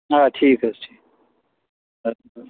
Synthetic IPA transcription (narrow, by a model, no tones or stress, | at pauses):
aːʈʰiːkɐsʈʰiːk̚